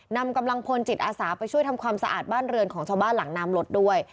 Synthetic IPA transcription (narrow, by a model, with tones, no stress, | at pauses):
na˧mka˧mla˧ŋpʰo˧nt͡ɕi˨˩t̪̚ʔaː˧saː˩˦pa˧jt͡ɕʰu˥˩əjt̪ʰa˧mkʰwaː˧msa˧ʔa̰ː˨˩t̪̚baː˥˩nɾɯ˧ənkʰɔː˩˦ŋt͡ɕʰaː˧wbaː˥˩nla˩˦ŋnaː˧mlo˦˥t̪̚du˥˩əj